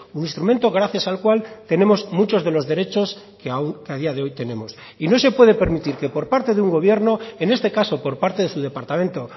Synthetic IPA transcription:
uninst̪ɾume̞nt̪o̞ɣ̞ɾaθjasalkwalt̪e̞ne̞mo̞zmut͡ʃo̞zðe̞lo̞zðeɾe̞t͡ʃo̞s | keakeaðiaðeo̞jt̪e̞ne̞mo̞s | ino̞se̞pwe̞ð̞e̞pe̞ɾmit̪iɾke̞po̞ɾpaɾt̪e̞ðeuŋɡo̞β̞je̞ɾno̞e̞ne̞st̪e̞kaso̞po̞ɾpaɾt̪e̞ðe̞suðe̞paɾt̪amẽ̞nt̪o̞

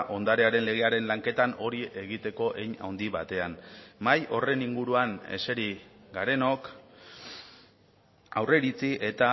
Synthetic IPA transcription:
ʔo̞nd̪aɾeaɾe̞nle̞ɣ̞e̞aɾe̞nlaŋke̞t̪ano̞ɾiʔe̞ɣ̞it̪e̞ko̞ʔe̞jɲa̰wnd̪iβat̪e̞anmajo̞re̞niŋɡuɾuane̞̰se̞ɾi | ɡaɾe̞no̞k | awre̞ɾit͡siʔe̞t̪a

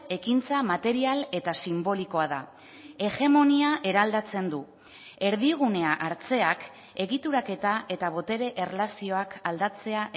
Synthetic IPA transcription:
e̞kint͡samat̪e̞ɾiale̞t̪asimbo̞liko̞aða | e̞ɣe̞mo̞niaʔe̞ɾald̪at͡se̞nd̪u | e̞ɾðiɣ̞une̞aʔaɾt͡se̞ak | e̞ɣit̪uɾake̞t̪aʔe̞t̪aβ̞o̞t̪e̞ɾe̞ʔerlasio̞akald̪at͡se̞aʔ

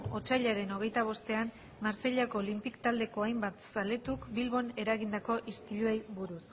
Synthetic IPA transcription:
o̞t͡ʃaʎaɾe̞no̞ɣ̞e̞jt̪aβ̞o̞st̪e̞an | maɾse̞ʎako̞ːlimpikt̪ald̪e̞ko̞ajmbat̪sale̞t̪ukbilβo̞ne̞ɾaɣind̪ako̞ʔist̪iʎue̞jβuɾus

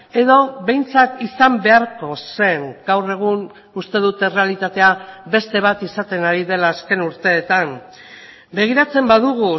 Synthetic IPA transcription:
e̞ðo̞βe̞jnt͡sak̪isambe̞aɾko̞se̞ŋɡ̥awre̞ɣ̞un | ust̪e̞ðut̪e̞re̞alit̪at̪e̞abe̞st̪e̞β̞at̪isat̪e̞naɾiðe̞laːske̞nuɾt̪e̞ːt̪am | be̞ɣ̞iɾat͡se̞mbaðuɣ̞u

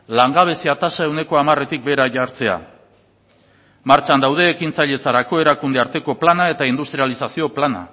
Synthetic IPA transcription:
laŋɡaβ̞e̞siat̪asaewne̞ko̞amare̞t̪ik̚be̞ɾaʝaɾt͡se̞a̰ | maɾt͡ʃand̪awðe̞ːkint͡saʎe̞t͡saɾako̞e̞ɾakund̪eaɾt̪e̞ko̞planae̞t̪aind̪ust̪ɾialisasio̞plana̰

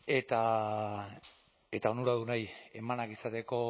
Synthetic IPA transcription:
e̞t̪a | e̞t̪ao̞nuɾaðunaje̞manakisat̪e̞ko̞

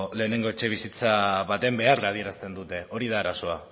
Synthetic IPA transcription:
le̞ːne̞ŋɡo̞e̞t͡ʃe̞β̞isit͡saβat̪e̞mbe̞araːð̞ie̞ɾast̪e̞nd̪ut̪e̞o̞ɾiðaːɾaso̞a

